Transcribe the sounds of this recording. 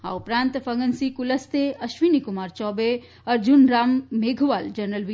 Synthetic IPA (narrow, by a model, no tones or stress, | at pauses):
ɦa̰ːupɾãːnt̪fɐŋɡənsikuləst̪eɐʃʋinikumaːɾt͡ʃɔːbe | ɐɾd͡ʒunɾaːmːeːɡʱʋaːld͡ʒɐɾnəlʋi